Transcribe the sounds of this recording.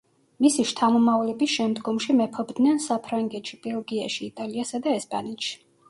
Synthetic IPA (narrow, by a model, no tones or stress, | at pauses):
misiʃt̪ʰamɔmavlɛbisʃɛmd̪ɡɔmʃimɛpʰɔbd̪nɛnsapʰɾaŋɡɛt̪ʃib̥ɛlˠɡiaʃiːt̪ʼaliasad̪aɛspʼanɛt̪ʃi̥